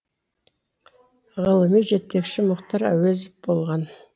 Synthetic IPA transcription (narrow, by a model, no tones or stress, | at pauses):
ʁəlˠəmijʒe̞t̪ːe̞kʃɪmʊqt̪ɑɾæ̰wezɪp̚bo̞lˠʁɑn